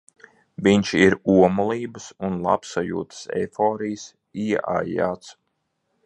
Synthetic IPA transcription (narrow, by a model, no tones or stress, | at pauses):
ʋiɲt͡ʃiɾuɔmulˠiːbɨsunlˠa̰psajṵːt̪ə̥sɛ̰fɔːɾijs | iɛʔa̰ja̰ːt̪s